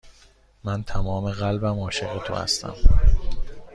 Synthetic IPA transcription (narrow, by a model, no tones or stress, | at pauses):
mænt̪ʰæmɒːme̞ɣælbæmɒːʃeɣet̪ʰo̞̰hæ̰st̪ʰæ̰m